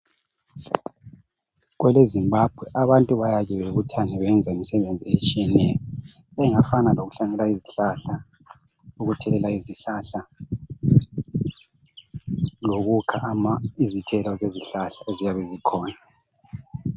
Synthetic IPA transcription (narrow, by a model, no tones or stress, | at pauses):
ɣwɛlezimbab̥ʱwɛʔaβantʼuβajaɣɛβeɣutʰanɛβɛnd͡zʱaimisɛβend͡zʱiet͡ʃʼijɛnɛjɔ | ɛŋafanaloɣuɬaŋɛlaiziɬaɬa | loɣutʰɛlɛlaiziɬaɬa | loɣukʰaʔmaizitʰɛlɔzeziɬaɬaezijaβɛzikʰɔːna